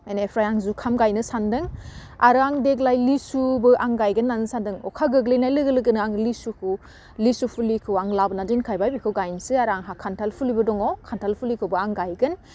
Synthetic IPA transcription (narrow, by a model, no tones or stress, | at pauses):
enepʰɾajaŋzukʰamɡajnɯsandɯŋa̰ɾaŋdeɡlajlisubɯʔaŋɡajɡɯnːanɯsandɯŋɔ̰kʰaɡɯɡlɯjnajlɯɡɯlɯɡɯnaŋlisukʰɯw | lisupʰulikʰɯwaŋlabnadinkʰajbajbikʰɯwɡajnsɯaɾaŋɦakʰantʰalpʰulibɯdɔŋɔkʰantʰalpʰulikʰɯwbɯaŋɡajɡɯn